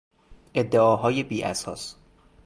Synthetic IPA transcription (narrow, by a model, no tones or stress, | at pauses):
ʔe̞d̪ːeɒːɦɒːjebiːʔæsɒ̰ːs